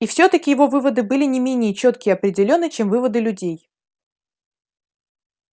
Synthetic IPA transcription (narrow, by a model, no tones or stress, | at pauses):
ifsʲot̪əkʲɪjɪvo̞vɨvəd̪ɨbɨlʲɪnʲɪmʲenʲɪjət͡ɕo̞t̪kʲɪɪɐpɾʲɪdʲɪlʲo̞nːɨt͡ɕe̞mvɨvəd̪ɨlʲʉdʲej